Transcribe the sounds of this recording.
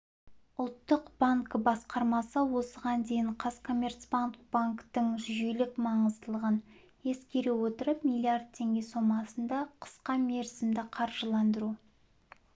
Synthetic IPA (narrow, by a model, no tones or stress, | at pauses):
ʊlˠt̪ːəqb̥aŋkbɑsqɑɾmɑsəwo̞səʁɑnd̪e̞jɪɴqʰɑskʰo̞mʲe̞rt̪sbaŋkb̥aŋkt̪əɴʒʒjelɪkmɑɴəzd̪əlˠəʁən | e̞skʲe̞ɾewo̞t̪əɾəpmʲilʲˠijard̪̚t̪ʲʰːe̞ŋɡʲe̞so̞mɑsənd̪ɑqʰə̥sqɑme̞ɾsɪmd̪ɪqʰɑɾʒəlˠɑnd̪əɾu